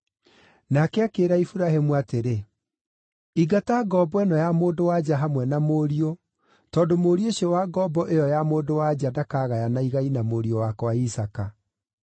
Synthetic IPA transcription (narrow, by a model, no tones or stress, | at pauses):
nakɛakeɾaifuɾaɦemuateɾe | iɡataɡɔbɔɛnɔjamoːndowad͡ʒaɦamwɛnamoɾio | tɔdomoɾioɕiɔwaɡɔbɔʔejɔjamoːdowad͡ʒadakaːɣajanaiɣainamoɾiɔwakwaisaka